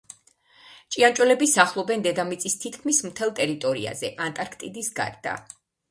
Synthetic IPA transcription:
t͡ʃʼiant͡ʃʼwɛlɛbisaχlˠɔbɛnd̪ɛd̪amit̪sʼist̪ʰit̪ʰkʰmismt̪ʰɛlˠt̪ʼɛɾit̪ʼɔɾḭa̰zɛʔant̪ʼaɾkʰt̪ʼid̪isɡa̰ɾd̪a̰

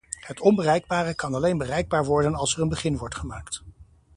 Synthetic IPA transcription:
hətʰɔmbərɛjɡ̚baːrəkɑnɑlejnbərɛjɡ̚baːɹʋɔɹdənɑlˠsɛrənbəχɪnʋɔɹtχəmaːkt

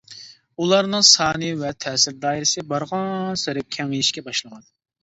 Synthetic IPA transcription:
ulˠɑɾnɨŋsɑːnɨjvɛt̪ʰɛːsɪɾd̪ɑːiɾɪsɨbɑɾʁɑsɨɾɪp̚kʲʰɛŋɪjiʃkʲɛbɑʃlˠəʁɑn

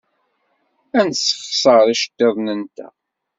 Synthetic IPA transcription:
ænsə̥fsˤəɾˤiʃə̥t̪ːeðˤnənt̪æ̰

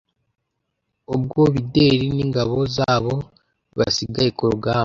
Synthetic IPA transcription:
obɡoːβide̞ːɾiniːŋɡaβo̞zaːβo | βa̰siɡajekoɾoɡa

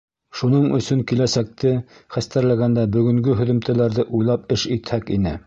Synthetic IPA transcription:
ʃunɤɴɵ̆sɵŋkilæsæk̚t̪ɘχæst̪æɾlæɡænd̪æbɵ̆ɡɵ̆ŋɡɵɦɵ̆ðɵ̆mt̪ʰælæɾðɘʔujlˠɑp̚ɘʃit̪hækinɘ

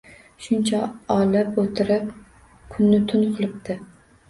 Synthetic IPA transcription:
ʃʊnt͡ʃʰaɒlɪpot̪ʰɪɾɪp | kʰʊnːɪt̪ʰʊnqʰɨlˠɪp̚t̪ʰɪ

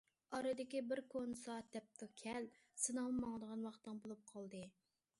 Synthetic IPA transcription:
ɑɾɨd̪ɪkʲibɪɾkʰonsɑt̪ʰɛp̚t̪ʰɨkʲʰɛl | sɨnɑɨmɑŋd̪əʁɑnwɑχt̪ːɨŋbolˠup̚qʰɑlˠd̪ɨ

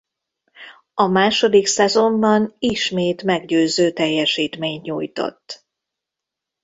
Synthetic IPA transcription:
ɒmaːʃo̞d̪iksɛzo̞mbɒniʃmeːt̪mɛɡɟøːzøːt̪ɛjːɛʃiːt̪meːɲɲuːjt̪o̰t̪ː

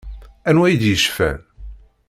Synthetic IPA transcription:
ænwæjəd̪jəʃfæ̰n

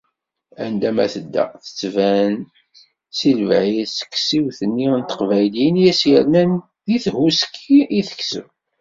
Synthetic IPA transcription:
ænd̪æmæ̰θəd̪ːæ̰θə̥t͡sːvæn | silvʕisə̥kːsiwθənːint̪ə̥qvæjlinjæsjəɾnæn | ðiθhusə̥kʰːiiθə̥kːsə̰w

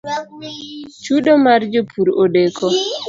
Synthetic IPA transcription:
t͡ʃuɗomard͡ʒopʰuɾodekɔ

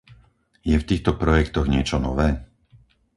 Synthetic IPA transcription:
jɛft̪iːxt̪ɔpɾɔjɛkt̪ɔɣɲɪɛt͡ʃɔnɔʋɛː

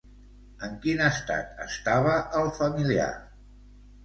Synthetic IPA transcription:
əŋkinəst̪a̰t̪ə̰st̪aβ̞əʔəlˠfəmilia̰

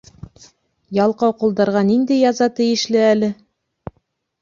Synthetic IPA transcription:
jɑlˠqɑwqŭlˠd̪ɑɾʁɑnind̪æjɑzɑt̪ɘ̆jɘ̆ʃlɘælɘ

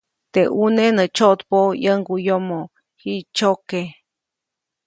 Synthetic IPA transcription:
t̪eʔunenət͡ʃoʔt̪pojəŋɡujomo | hiʔt͡ʃoke

